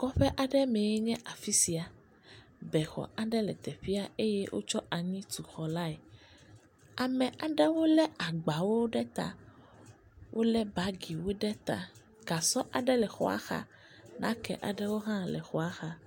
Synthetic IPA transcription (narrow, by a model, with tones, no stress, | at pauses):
kɔ˦ɸɛ˦ʔa˨ɖɛ˦mɛ̃˨jɛ˦ɲɛ̃˦ʔa˨fi˦si˨a˨ | bɛ˨xɔ̰˨a˨ɖɛ˦lɛ˨t̪ɛ˨ɸi˦a˦e˦jɛ˦wʔo̰˦t͡ʃɔ˦a˨ɲĩ˦t̪u˨xɔ˨la˦e˨ | a˨mɛ̃˨ʔa˨ɖɛ˦wo˦lɛ˦a˨ɡ͡ba˨wo˦wo˦ɖɛ˦t̪a̰˨ | wʔo˦lɛ˦ba˨ɡi˨wo˦ɖɛ˦t̪a̰˨ | ɡ̥a˨sɔ˦ʔa˨ɖɛ˦lɛ˨xɔ̰˦a̰˦xa̰˦ | nã˦kɛ̰˨ʔa̰˨ɖɛ˦wo˦ɦã˦lɛ̰˨xɔ˨a˦xa˦